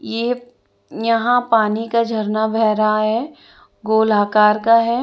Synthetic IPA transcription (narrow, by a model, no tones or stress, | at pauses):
jeː | jɐɦãpaːnikad͡ʒʱɐɾnabʱɛːɾaɦɛː | ɡoːlaːkaːɾkaɦɛː